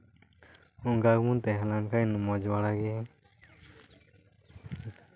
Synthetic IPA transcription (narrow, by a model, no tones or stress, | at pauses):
uŋɡaɡmunt̪ɛɦɛlankajnɔmɔd͡ʒbaɽaɡɛ